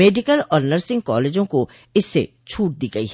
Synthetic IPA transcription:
eːɖɪkəlɔːɾnɐɾsɪ̃ŋɡ̚kɔ̰ːleːd͡ʒõko | ɪsːḛ | t͡ʃʰuːʈ̚d̪iːɡɐḭɦ

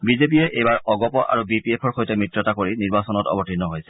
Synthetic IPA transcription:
bizep̬iɛʔejbaɹɔɡɔpɔʔa̰ɹubipiepʰɔɹxojtɛmɹitɹɔtakoɹiniɹbasɔnɔtɔ̰bɔtinːɔɦojsɛ

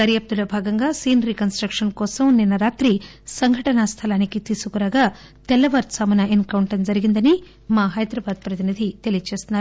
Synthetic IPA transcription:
ɐɾjɐp̚d̪ulɐbʱaːɡɐŋɡaːsiːnɾikɐnsʈɾɐkʂɐnkɔːsɐmninːɐɾaːt̪ɾi | sɐŋɡʱɐʈɐnɐst̪ʰɐlaːnikit̪iːsukuɾaːɡaː | t̪ɛlːɐʋɐɾt̪samɐnɐenkɐwɳʈɐnd͡ʒɐɾiɡind̪ɐni | maːɦɐjd̪ɾɐbaːd̪̚pɾɐt̪inid̪ʱit̪e̞lijɐt͡ʃeːst̪unːaːɾu

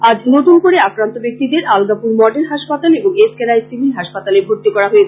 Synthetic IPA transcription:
ad͡ʑnot̪unkoɾeakɾant̪obek̚t̪id̪eɾalɡapuɾmɔɖenɦaʃpat̪aleboŋeskeɾajsibinɦaʃpat̪alebʱoɾt̪ikɔɾaɦoet͡ɕʰe̥

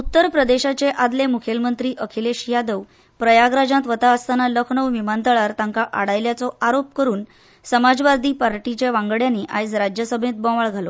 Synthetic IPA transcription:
ut̪ːəɾpɾəd̪eɕat͡seʔad̪lemukʰelmənt̪ɾiːʔəkʰileɕijad̪əʋ | pɾəjaɡɾad͡ʑãt̪ʋət̪aəst̪analəkʰɳəwʋimənt̪əɭaɾt̪ãŋkaʔaɽajljat͡sɔaɾop̚kəɾuːn | səmad͡zʋad̪ʱiːpaɾʈit͡ɕeʋãŋɡɭjanːiːʔajsɾad͡ʑjəsəbʱẽt̪̚bɔ̃ʋaɭɡʱalo

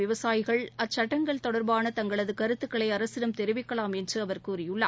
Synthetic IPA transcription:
ɪʋɐsaːjɪɣɐɭɐt͡ʃːɐʈːɐŋɡɐɭt̪ɔɽɐɾbaːnɐt̪ɐŋɡɐɭɐðɯkɐɾɯt̪ːɯkːɐɭɐɪɐɾɐsɪɾɐmt̪ɛɾɪʋɪkːɐɭaːmɛndrɯɐʋɐɾkuːrɪjɯɭːɐ

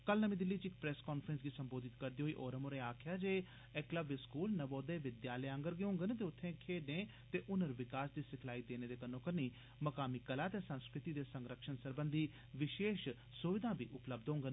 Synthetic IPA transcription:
kəlnəmĩːd̪ɪlːiːt͡ʃɪkpɾɛːskɔːnpʰɾɛnsɡiːsəmboːd̪ɪt̪kəɾd̪iːɦoːiːʔɔːɾəmʊɾeːaːkʰjaːd͡ʒeː | ɛkləbɪskuːlnəboːd̪eːʋɪd̪jaːləjə̃ŋɡəɾɡeɦõːŋɡənːt̪eːʊt̪ʰːẽːkʰeːɖnẽː | t̪eːʔʊnəɾʋɪkaːsd̪iːsɪkʰlaːiːd̪eːneːd̪eːkənːõːkəniː | məkaːmiːkəlaːt̪eːsə̃nskɾɪt̪iːd̪eːsə̃ŋɡɾəkʃənsəɾbənd̪ʱiː | ʋɪʃeːʃ | sʊʋɪd̪ãːbiːʔʊpləb̚d̪õʊːŋɡən

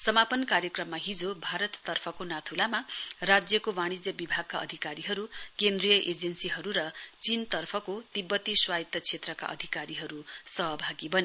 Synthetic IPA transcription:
sʌmapʌnkarjʌkrʌmːaɦid͡zobʱaɾʌt̪ːʌrpʰʌkonat̪ʰulamarad͡zjʌkowaɽ̃id͡zjʌbibʱaɡ̚kaʔʌ̰d̪ʱikaɾiɦʌɾukend̪rijʌʔed͡zensiɦʌɾuɾʌt͡sint̪ʌrpʰʌkot̪ibːʌt̪iswait̪ːʌt͡sʰet̪rʌka̰ʔʌ̰d̪ʱikaɾiɦʌɾusʌɦʌbʱaɡibʌne

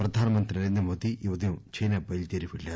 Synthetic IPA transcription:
pɾɐd̪ʱaːnɐmɐnt̪ɾinɐɾeːnd̪ɾɐmoːd̪ijuʋɐd̪ijũt͡ʃɐjnaːbɐjlt̪eːɾiʋiɭːeː

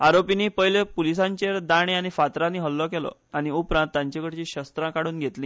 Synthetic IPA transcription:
aɾopiniːpəjlepulisãɲt͡ɕeɾd̪aɽ̃eaɽ̃ifat̪ɾãniːɦəlːɔkelɔ̰aɽ̃iupɾãnt̪ːjãɲt͡ɕekəɽt͡ɕiːɕəst̪ɾãkaɽuːnɡʱet̪liː

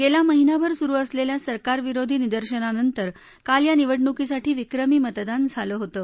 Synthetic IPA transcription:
ɡelaməɦinabəɾsuɾuːəsleljasəɾkaɾʋiɾod̪ʱiːnid̪əɾɕənanənt̪əɾ | kaljaniʋəɽɳukisaʈʰiːʋikɾəmiːmət̪d̪and͡zʱaləɦot̪ə

